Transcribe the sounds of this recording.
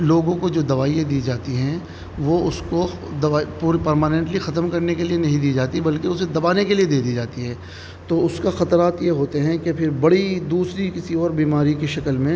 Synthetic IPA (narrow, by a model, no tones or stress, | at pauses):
loːɡõkod͡ʒoːd̪ɐʋaːiẽd̪iːd͡ʒaːt̪iɦɛ̃ | ʋoʊskod̪ɐaːipːɾpɐɾmaːnɛ̃ɳʈlixɐt̪əmkɐɾnekelienɐɦĩd̪iːd͡ʒaːt̪ibɐlkeʊsed̪ɐbaːnekelied̪eːd̪iːd͡ʒaːt̪iɦɛ̃ː | t̪oːʊskaxɐt̪ɾaːt̪jeɦoːt̪eɦɛ̃kepʰɪɾbɐɽid̪uːsɾikɪsiɔːɾbiːmaːɾikiʃɐkəlmẽ